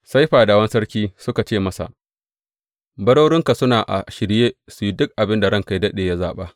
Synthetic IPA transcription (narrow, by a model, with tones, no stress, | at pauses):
sa˦jɸaː˨daː˨wɐ˦nsɐ˦ɽkʲiː˦sʊ˦ka˨t͡ʃeː˦˨mɐ˦sa̰˨ʔ | bɐ˦ɽoː˦ɾɪ˦ŋka˨sʊ˦naː˨ʔa̰˨ʃɪ˨ɽjeː˦su˨ji˦dʊ˦k̚ʔa˨bɪ˦nda˨ɽɐ˦ŋka˨jdɐ˦ɗeː˨ja˦zaː˨ɓaː˦